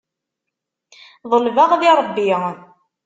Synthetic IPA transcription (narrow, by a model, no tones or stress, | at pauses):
ðˤəlvaʁðiɾˤəbːi